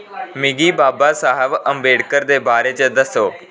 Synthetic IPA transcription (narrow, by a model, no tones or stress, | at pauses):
mɪɡiːbaːbaːsaːɦəʋəmbeːɽkəɾd̪eːbaːɾeːt͡ʃəd̪əsoː